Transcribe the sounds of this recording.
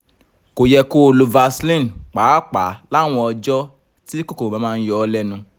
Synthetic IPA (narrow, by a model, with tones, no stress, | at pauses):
ko˨jɛ˧ko˦o˧lo˧va˧slĩ˦˨n˨k͡paː˨˦k͡pa˨˦la˦˨w̃ɔ̃˧ɔ˧d͡ʒɔ˦ | ti˦ko˦ko˨ã˨˦mãː˦˧n̩˦jɔ˦lɛ˦nũ˧